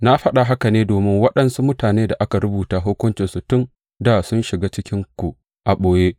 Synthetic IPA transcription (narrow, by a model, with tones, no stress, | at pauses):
na˦ɸɐ˦ɗa˨ɦa˦ka˨neː˦doː˨mɪ˦ŋwɐ˦ɗɐ˨nsu˦mʊ˦taː˨neː˦da˨ʔa˦ka˨ɾʊ˦buː˨taː˨ɦoː˦kʷʊ˦nt͡ʃɪ˨nsu˨tʊ˦n | da˨sʊ˦nʃɪ˨ɡaː˦t͡ʃɪ˦kʲɪ˦ŋkʷu˨ | ʔa˨ɓoː˨jeː˦ʔ